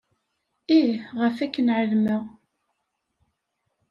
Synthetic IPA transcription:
iʁəfækːənʕəlməʁ

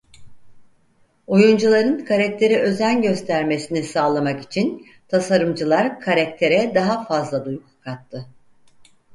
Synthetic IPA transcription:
ojund͡ʒulˠaɾɯnkʰaɾac̚t̪ʰe̞ɾiʔø̞zænɟø̞st̪ʰæɾme̞sinisaːlˠamaki̥t͡ʃʰin | t̪ʰasaɾɯmd͡ʒɯlˠaɾkʰaɾakt̪ʰe̞ɾɛd̪aɦafazlˠad̪ujuk̚kʰːat̪ʰːɯ

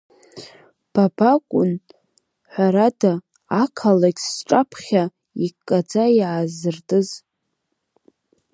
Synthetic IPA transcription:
b̥abakʷʼʊn | ħʷaɾadaː | kʰalakʲsʈ͡ʂʼapʰχʲa | ikʼːad͡zaiʕazɨrtʼɨz

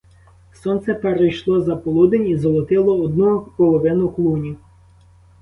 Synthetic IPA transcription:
sɔnt̪sɛpeɾejʃlˠɔzɐpɔlˠud̪ɪnʲizɔlˠɔt̪ɪlˠɔːd̪̚nupɔlˠɔʋɪnʊklˠunʲi

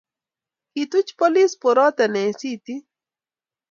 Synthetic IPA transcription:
hit̪ut͡ʃpolispoɾɔt̪ɐnesit̪i

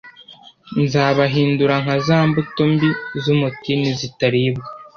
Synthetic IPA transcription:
nzaːβaɦiːnduɾaŋhazaːmbutombizumutinizitaɾibɡa

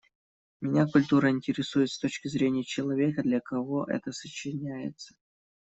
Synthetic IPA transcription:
mʲɪnʲakʊlʲt̪uɾəɪnʲtʲɪɾʲɪsujɪt̪st̪o̞t͡ɕkʲɪzɾʲenʲɪjət͡ɕɪlˠɐvʲe̞kəd̪lʲɐkɐvo̞ʔɛ̰t̪əsət͡ɕɪnʲæjɪ̰t̪sə̥

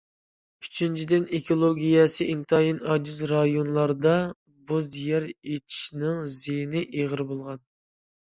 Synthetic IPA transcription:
yt͡ʃʰint͡ʃʰid̪ɪnekʰolˠoɡʲijɛsɨʔint̪ʰɑjinɑd͡ʒɪzɾɑjonlˠɑɾd̪ɑ | buzd̪ijɛɾet̪ʰi̥ʃnɪŋzejnɪʔeʁəɾbolˠʁɑn

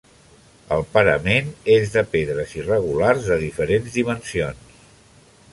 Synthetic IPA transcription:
ə̰lˠpəɾə̰menezðəpeðɾəzirəɣ̞ularzðəðifəɾenzðimənsions

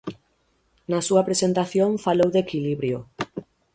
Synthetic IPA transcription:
nasuapɾesent̪aθjoɱfalowðekiliβɾjo

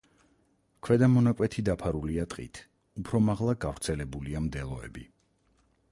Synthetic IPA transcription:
kʰwɛd̪amɔnakʼwɛt̪ʰid̪apʰaɾuliat̪ʼqʼḭt̪ʰ | upʰɾɔmaʁlˠaɡavɾt̪sʰɛlɛbuliamd̪ɛlˠɔɛ̰bi

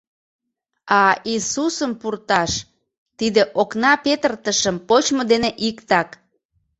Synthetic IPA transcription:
ɑisusəmpurt̪ɑʃ | t̪id̪eʔoknɑpet̪ərt̪əʃəmpot͡ɕmod̪eneʔikt̪ɑk

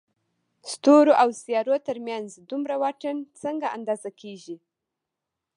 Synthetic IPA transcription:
st̪oɾoʔawsjɑɾot̪əɾmjanzd̪umɾawaʈənt͡səŋɡaʔa̰nd̪ɑzakʰeʒi

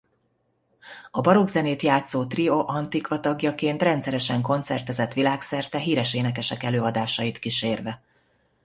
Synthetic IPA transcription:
ɒbɒɾoɡzɛneːt̪jaːt̪soːt̪rioʔɒnt̪ikʋɒt̪ɒɡjɒkeːnt̪rɛnt̪sɛɾɛʃɛŋko̞nt̪sɛrt̪ɛzɛt̪ʋilaːksɛrt̪ɛɦiːɾɛʃeːnɛkɛʃɛkɛløːɒd̪aːʃɒjit̪kiʃeːrvɛ

